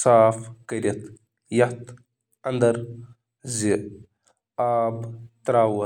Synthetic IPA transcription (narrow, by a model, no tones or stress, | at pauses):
saːfkɐɾʲɐt̪ | jɐt̪ | ɐnd̪ɐɾ | zi | aːbt̪ɾaːwɐ